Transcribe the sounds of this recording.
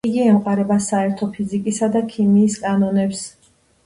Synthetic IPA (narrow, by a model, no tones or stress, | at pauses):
iɡiɛmqʼwaɾɛbasaɛɾt̪ʰɔpʰizikʼisad̪akʰimiːskʼanɔnɛps